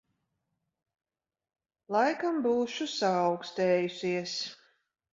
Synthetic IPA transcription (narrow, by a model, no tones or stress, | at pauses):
lˠajkambuːʃusaːʊkst̪eːjusʲiɛs